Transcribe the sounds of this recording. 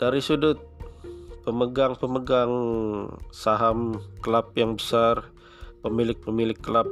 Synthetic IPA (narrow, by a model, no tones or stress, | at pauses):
d̥aɾisudʊt̪̚ | pəməɡaŋpəməɡaŋ | saɦamkəlap̚jaŋbəsar | pəmilɪk̚pəmilɪkːəlap̚